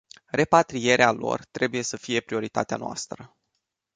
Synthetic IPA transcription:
re̞pat̪ɾije̞ɾealo̞̰rt̪ɾe̞buje̞səfije̞pɾio̞ɾit̪a̰t̪ea̰noa̰st̪ɾə

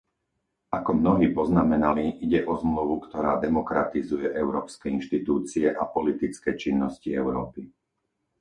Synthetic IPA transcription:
ʔakɔmnɔɦiːpɔznamɛnaliʔiɟɛʔɔzmluʋukt̪ɔɾaːd̪ɛmɔkɾa̰t̪izujɛʔɛʊɾɔːpskɛinʃt̪it̪uːt͡siɛʔapɔlit̪it͡skɛt͡ʃinːɔsciɛʊɾɔːpi

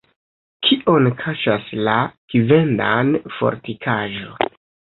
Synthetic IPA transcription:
kʰiʔo̞nkʰaʃaslaɡ̥ive̞ndanfo̞̰ɾtikʰaʒo̰

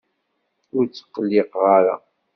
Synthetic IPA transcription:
ʊɾt͡sːə̥qːlːiqʁaɾa̰

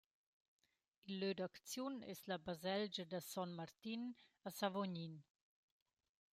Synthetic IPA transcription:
ilːød̪akt͡sjunɛ̰slabazɛld͡ʒəd̪əsɔnmaɾt̪inəsavoɲin

